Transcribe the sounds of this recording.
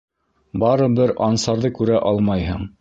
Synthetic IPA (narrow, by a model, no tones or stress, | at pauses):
bɑɾɤbɘɾɑnsɑɾðɤkʉɾæʔɑlˠmɑjhɤ̰ɴ